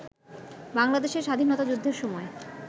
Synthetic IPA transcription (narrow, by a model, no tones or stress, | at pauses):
baŋlad̪eʃeɾʃad̪ʱinɔt̪ad͡ʑud̪ʱːeɾʃɔmɔe